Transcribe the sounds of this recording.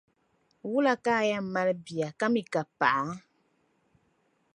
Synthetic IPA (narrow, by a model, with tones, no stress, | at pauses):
wu˦la˦kaː˦˨ja˦m̩˦ma˦lbi˨a˨ka˦mi˨ka˨pa˨ʔa˨ŋ˦